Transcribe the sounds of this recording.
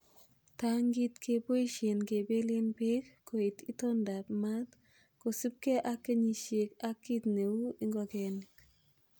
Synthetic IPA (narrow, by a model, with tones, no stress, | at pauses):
taŋɡitkʰe˨po˦iʃe˨nke˨be˦le˦npe˦kːo˨i˨ti˦tɔ˦nda˨pma˦t | ko˨si˦p̚ke˦ʔakːe˦ɲi˨ʃe˨ka˦kːi˦tne˨wu˦i˦ŋɡɔkɛ˨nɪk